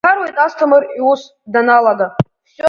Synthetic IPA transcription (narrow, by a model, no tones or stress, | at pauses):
arwejt̪ʼastʰɨmɨrius | danalaɡa | s